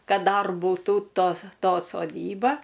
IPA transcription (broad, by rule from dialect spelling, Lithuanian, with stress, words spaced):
ˈkɐt ˈdɐr bʊˈtuː ˈtoːs ˈtoː soːˈdʲiːbɐ